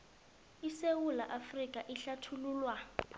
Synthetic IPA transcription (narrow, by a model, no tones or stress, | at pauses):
isewulaʔafrikʼaʔiɬatʰuluːlwa